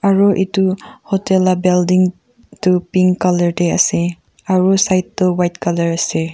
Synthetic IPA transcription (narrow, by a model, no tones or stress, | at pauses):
aɹɔʔituhɔtelabeldiŋ | tupiŋkalɐɹdea̰se | aɹɔsajtːɔwajtkalɐɾase